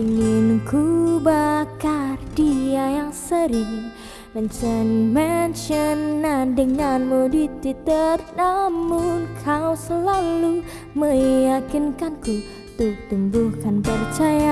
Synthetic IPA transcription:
iŋɪnkubakardiajaŋsəɾiŋ | mənt͡ʃənmɛnʃənːandəŋanmudit̪it̪ərnamunkʰawsəlalu | məjakinkanku | t̪uk̚t̪umbuhkanpərt͡ʃaja

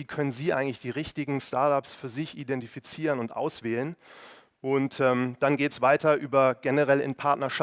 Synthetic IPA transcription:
iːkʰœnənziːʔa̰ɪɡŋtlɪçd̥iːʁɪçtɪɡŋ̩staɐtapsfyːɐzɪçidɛntifit͡siːʁənʊntʔa̰ʊsv̥ɛːlən | ʔʊntɛːmd̥anɡeːtsv̥aɪtɐʔyːbɐɡɛnəʁɛlɪ̰npʰaɐtnɐʃa

